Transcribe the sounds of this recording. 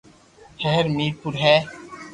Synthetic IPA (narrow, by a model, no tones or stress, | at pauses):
ʃɛɦɾmiːɾpʊɾɦɛː